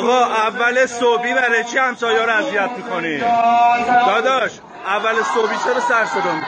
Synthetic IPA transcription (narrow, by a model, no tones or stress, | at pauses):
ɣɒːʔævːælesobiːbæɾet͡ʃʰihæmsɒːjɒɾæzijæt̪̚miːkʰoniːxud̪ɒːd̪ɒʃ | ʔævːælesobiːt͡ʃʰeɾɔːsæɾsod̪omi